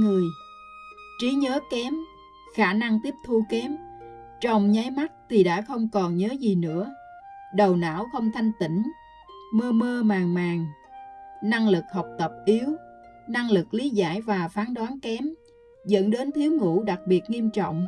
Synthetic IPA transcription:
ŋɨ˨˩əj | t͡ɕi˨˦ɲəː˨˦kɛ˨˦m | xaː˧˩na˧ŋt̪i˦˥əp̚t̪ʰu˧kɛ˨˦m | t͡ɕə˧˨wŋ͡mɲa˨˦jma˦˥t̚t̪ʰi˨˩ɗa̰ː˧˥xə˧wŋ͡mkɔ˨˩nɲəː˨˦zi˨˩nɨ̰˧˥ə | ɗə˨˩wna̰ː˧˥wxə˧wŋ͡mt̪ʰa˧jŋ̟t̪ḭ̈˧˩ŋ̟ | məː˧məː˧maː˨˩ŋmaː˨˩ŋ | na˧ŋlɨ˨˩k̚hɔ˨˩wk͡p̚t̪ə˨˩p̚ʔi˨˦əw | na˧ŋlɨ˨˩k̚li˨˦za̰ː˧˥˩jvaː˨˩faː˨˦nɗwaː˨˦nkɛ˨˦m | zə̰˧˥nɗe˨˦nt̪ʰi˨˦əwŋṵ˧˥ɗa˨˩k̚ɓi˨˩ət̚ŋi˧əmt͡ɕɔ̰˧˨wŋ͡m

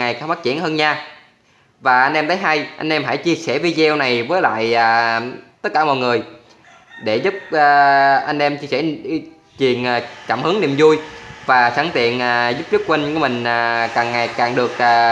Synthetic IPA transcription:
ŋa˨˩jka˧ŋfaː˦˥t̚t͡ɕi˧˩ənhəː˧nɲaː˧ | vaː˨˩ʔa˧jn̟ʔɛ˧mt̪ʰə˨˦jɦa˧jʔa˧jŋ̟ʔɛ˧mɦa̰˧˥jt͡ɕi˧əsɛ˧˩vi˧zɛ˧wna˨˩jvəː˨˦jla̰ː˧˨jʔaː˨˩t̪ə˦˥t̚kaː˧˩mɔ̰˧˨jŋɨ˨˩əj | ɗe˧˩zu˦˥p̚ʔaː˧ʔa˧jŋ̟ʔɛ˧mt͡ɕi˧əsɛ˧˩ | t͡ɕwḭ˨˩ənʔaː˨˩kaː˧˩mhɨ˨˦əŋnḭ˧˨mzu˧jvaː˨˩xaː˧˩ŋt̪ḭ˧˨ənʔaː˨˩zu˦˥p̚t͡ɕk̚kwe˧ŋ̟ku˧˩əmï˨˩ŋ̟aː˨˩kaː˨˩ŋːa˨˩jkaː˨˩ŋɗɨ˨˩ək̚ʔaː˨˩

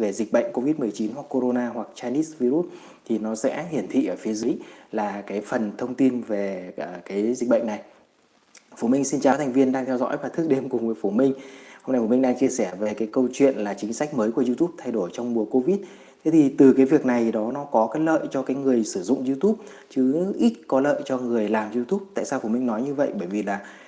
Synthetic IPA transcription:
ve˨˩zï˨˩k̟̚ɓə̰˧˨ŋ̟ko˧vi˦˥t̚mɨ˨˩əjt͡ɕi˨˦nhwa˨˩kːo˧ɾo˧naː˧ɦwa˨˩k̚t͡ɕaː˧ni˦˥svi˧ɾu˦˥t̚ | t̪ʰi˨˩nɔ˨˦sɛ̰˧˥ɦi˧˩ənt̪ʰḭ˧˨ʔəː˧˩fi˨˦zɨ˨˦laː˨˩kaː˨˦jfə˨˩nt̪ʰə˧wŋ͡mt̪i˧nve˨˩ə˨˧˩kaː˨˦jzi˨˩k̟̚ɓə̰˧˨ŋ̟na˨˩j | fu˧˩mï˧ŋ̟si˧nt͡ɕaː˨˩˦t̪ʰŋvi˧ənɗaː˧ŋt̪ʰɛ˧wzɔ̰˧˥jvaː˧˩t̪ʰɨ˦˥k̚ɗe˧mkʊ˨˩ŋ͡mvəː˨˦jfu˧˩mï˧ŋ̟ho˧mna˧jfmi˧ŋ̟ɗaː˧ŋt͡ɕi˧əsɛ˧˩ve˨˩kaː˨˦jkə˧wt͡ɕwḭ˧˨ənlaː˨˩t͡ɕï˨˦ŋ̟sa˦˥k̟̚məː˨˦jku˧˩əzu˧t̪u˦˥p̚t̪ʰa˧jɗo˧˩jt͡ɕɔ˧wŋ͡mm˨˩əko˧vi˦˥t̚ | t̪ʰe˨˦t̪ʰi˨˩t̪ɨ˨˩kaː˨˦jvi˨˩ək̚na˨˩jɗɔ˨˦nɔ˨˦kɔ˨˦kaː˨˦jlə̰ː˧˨jt͡ɕɔ˧kaː˨˦jŋɨ˨˩əjsɨ˧˩zʊ̰˧˨ŋ͡mzi˧t̪u˦˥p̚ | t͡ɕɨ˨˦ʔi˦˥t̚kɔ˨˦lə̰ː˧˨jt͡ɕɔ˧ŋɨ˨˩əjlaː˨˩mzi˧t̪u˦˥p̚t̪a̰ː˧˨jsaː˧wfu˧˩mï˧ŋ̟nɔ˨˦jɲɨ˧və̰˧˨jɓəː˧˩jvi˨˩laː˨˩

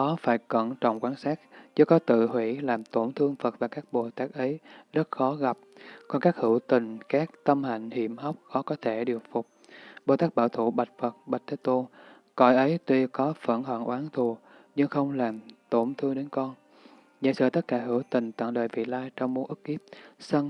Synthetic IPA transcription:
ɗɔ˨˦faː˧˩jkə̰˧˨nt͡ɕɔ̰˧˨wŋ͡mkwaː˧˦nsaː˦˥k̚zɨ˨˦jkɔ˨˦t̪ɨ̰˧˨hwḭ˧˩˨laː˨˩mt̪o˧˩nt̪ʰɨ˧əŋfə˨˩t̚vaː˨˩kaː˦˥k̚ɓo˨˩t̪aː˦˥k̚ʔə˨˦jzə˦˥t̚xɔ˨˦ɣa˨˩p̚kɔ˧nkaː˦˥k̚hɨ˧˩wt̪ï˨˩ŋ̟kaː˦˥k̚t̪ə˧mha̰˧˨jŋ̟hḭ˧˩əmha˦˥wk͡p̚xɔ˨˦kɔ˨˦t̪ʰe˧˩ɗi˨˩ək̚fʊ˨˩k͡p̚ | ɓo˨˩t̪aː˦˥k̚ɓaː˧˩wt̪ʰṵ˧˩ɓa˨˩jt̟̚fə˨˩t̚ɓa˨˩jt̚t̪ʰe˦˥t̪o˧ | kɔ̰˧˨jʔə˨˦jt̪wi˧kɔ˨˦fə̰˧˩nhə̰˧˨nʔwaː˨˦ŋt̪ʰu˨˩ | ɲɨ˧ŋxə˧wŋ͡mlaː˨˩mt̪o˧˩nt̪ʰɨ˧əŋɗe˨˦nkɔ˧n | za̰˧˥jsɨ̰ː˧˨˩t̪ə˦˥t̚kaː˧˩ɦɨ˧˩wt̪ï˨˩ŋ̟t̪a̰˧˨nləː˧˨jvḭ˧˨laː˧jt͡ɕɔ˧wŋ͡mmu˨˦ənʔɨ˦˥k̚kːi˦˥əp̚sə˧n

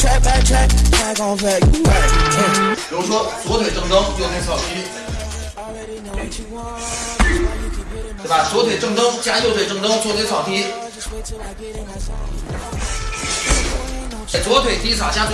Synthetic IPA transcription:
ɻu˧˥˧ʂwɔ˥t͡swɔ˧˥t̪ʰwe˨˩ɪʈ͡ʂɤ˥˧ŋt̪ɤ˥ŋt͡ɕjo˥˩t̪ʰe˥sʰɑ˨˩ʊt̪ʰi˧˥ | t̪e˥˧˩ba˨˩t͡swɔ˧˥t̪ʰwe˨˩ɪʈ͡ʂɤ˥˩ŋt̪ɤ˥ŋt͡ɕja˥jo˥˧ʊt̪we˨˩ɪʈ͡ʂɤ˥˧ŋʈ͡ʂ̪ɤ˥ŋt͡ɕt̪ʰe˥sʰɑ˨˩ʊt̪ʰi˧˥˩ | t͡swɔ˧˥t̪ʰwe˨˩ɪt̪i˧˥sʰa˨˩t͡ɕja˥t

